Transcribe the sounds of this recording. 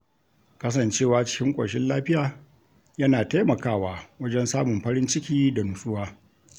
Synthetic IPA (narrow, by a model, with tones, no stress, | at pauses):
kɐ˦s̬ɐ˨nt͡ʃeː˦˨waː˨˦t͡ʃɪ̥˦kʲɪ˦ŋkʷʼɐ̰˨ʃɪ˦nlaː˦ɸɪ˦jaː˨ | jɐ˦naː˨ta˦jmɐ˨kaː˦˨waː˨wɐ˦d͡ʒɛ˦nsaː˦mʊ˨mɸɐ˦ɾɪ˦nt͡ʃɪ˦kʲiː˦da˨nʊ˨sʼʊ˦waː˦